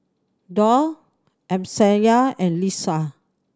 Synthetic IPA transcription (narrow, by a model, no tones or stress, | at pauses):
dɔ | ɛ̃msɛ̃jaɛ̃nlisa